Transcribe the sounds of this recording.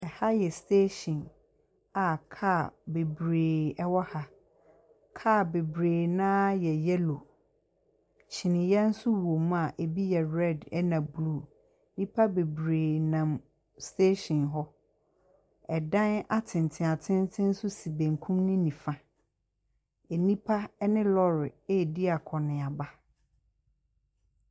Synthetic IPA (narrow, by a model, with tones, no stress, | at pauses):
ɛ˨ha˦jɛ˨stʰe˦ɕĩ˨n | a˨kʰa˦˨be˨bɾeː˨ɛ˦wɔ˦ha˦ | kʰa˦˨be˨bɾeː˨nãː˦jɛ˨jɛ˦lo˨ | t͡ɕʰi˨nɪ̃˨jɛ˦n̩˦sʊ˦wo˨mũ˦a˨ʔe˨bi˦jɛ˨ɾɛ˦˨dɛ˦nã˨blu˦˨ | nĩ˦pʰa˦be˨bɾeː˨nã˨m | ste˦ɕɔ̃˨nɦɔ˦ | ɛ˨dã˦na˦tʰɪ̃˨n˨tʰɪ̃˨a˨tʰɪ̃˦n˦tʰɪ̃˦n̩˦sʊ˦si˨bẽ˨ŋkʰũ˦mnʊ̃˦nĩ˨fã˨ | e˨nĩ˦pʰa˦nɪ̃˦lɔ˦ɾɪ˨e˦˨di˦a˨kʰɔ˨nɪ̃˨a˨ba˦